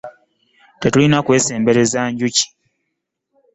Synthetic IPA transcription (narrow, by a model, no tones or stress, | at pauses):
tetulinakwe̞ːse̞ːmbe̞ɾe̞zaːɲɟuci̥